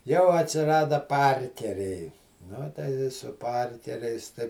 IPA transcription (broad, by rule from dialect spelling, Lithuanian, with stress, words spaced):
jɛʊ ɐtʲsʲɪˈrɑːdɐ ˈpɐrʲkʲɛrʲɛɪ ˈnʊ tɐɪ ɪ sʊ ˈpɐrʲkʲɛrʲɛɪs tɐɪ